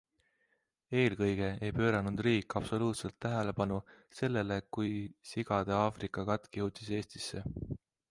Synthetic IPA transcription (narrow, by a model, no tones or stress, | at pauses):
e̞ːlkɤjɡ̥e̞ejpø̞ːɾɑnud̪̥riːkːˑɑpso̞luːt̪se̞lt̪ːæɦe̞le̞pɑnu | se̞lːe̞le̞kujsiɡ̥ɑd̪̥eɑːfrikˑːɑkɑt̪ːˑkihut̪ːise̞ːst̪i̥sːe̞